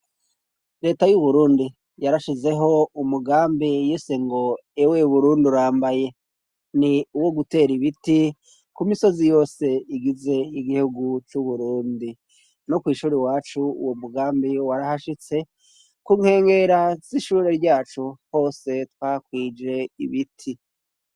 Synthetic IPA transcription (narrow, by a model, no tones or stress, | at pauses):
ɾe̞ːtajuβuɾuːndi | jaɾaʃize̞ɦo̞umuɡaːmbijiseŋɡo̞ | ewe̞uβuɾuːnduɾaːmbaje̞ | niuwo̞ɡute̞ːɾiβiti | kumiso̞zijo̞ːse̞iɡize̞iɡihuɡut͡ʃuβuɾuːndi | nokwiːʃuːɾewaːt͡ʃuṵwomuɡaːmbiwaɾahaʃit͡se̞ | kuŋ̥he̞ːŋɡe̞ɾaz̥iʃuːɾe̞ɾɟaːt͡ʃuho̞ːse̞twakwiːd͡ʒe̞ḭβitʰi